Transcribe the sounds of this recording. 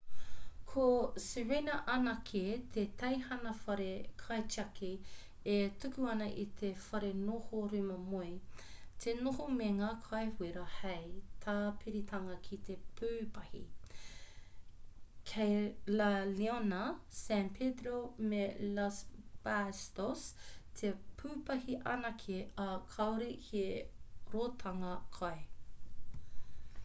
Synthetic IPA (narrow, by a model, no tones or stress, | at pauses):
kʰoseɹinɐʔɐnɐkʰet̪ʰet̪ʰɐjhɐnɐfɐɾekʰɐjt͡ʃiɐkʰe | etukuɐnɐʔit̪ʰefɐɾenohoɾʉmɐmoit̪ʰenohomeŋaːkʰajhweɾɐhɐjtʰaːpʰiɾitʰɐŋɐkʰit̪ʰepʰʉːpɐhḭ | kʰejlalionɐsænpʰed̪ɾomelasbastostʰepʰʉːpɐhiʔɐ̰nɐkʰeɐkʰɐwɾikeɾoːtʰɐŋɐkʰɐe